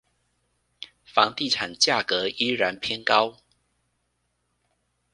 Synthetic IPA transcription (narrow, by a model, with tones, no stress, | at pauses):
fɑ˧˥ŋt̪i˥˨ʈ͡ʂʰa˨˩nt͡ɕja˥˨˩kɤ˨˦i˦˥ɻa˧˦npʰjɛ˥nkɑ˦ʊ